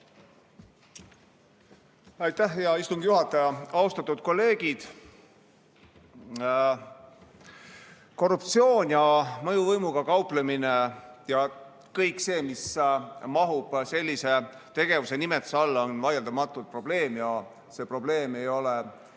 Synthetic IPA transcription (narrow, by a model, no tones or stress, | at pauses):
ɑjt̪ːæhjɑist̪uŋɡ̥juɦɑt̪ːˑɑjɑɑust̪ɑt̪ːˑud̪̥̚ko̞lːe̞ːɡ̥id̪̥ | ko̞rupt̪sio̞ːnʲjɑmɤjuvɤjmuɡ̥ɑkɑupleminejɑ | kɤjkˑse̞ːmismɑɦub̥se̞lʲːise̞t̪e̞ɡ̥e̞vuse̞nimet̪sɑlːɑonvɑjeld̪ɑmɑt̪ːˑult̪̚pro̞b̥le̞ːmjɑ | se̞ːpro̞ble̞ːme̞jo̞le